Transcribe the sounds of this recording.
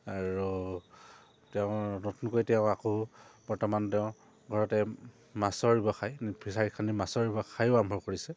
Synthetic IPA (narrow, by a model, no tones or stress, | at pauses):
aɹu | tɛʊ̃notunkojtɛʊ̃akob̥ɔɹtɔmantɛʊ̃ | ɡʱɔɹɔtɛ | masɔɹibɔxajpʰisaɹitkʰanimasɔɹɹibɔxajʊambʱɔɹkoɹisɛ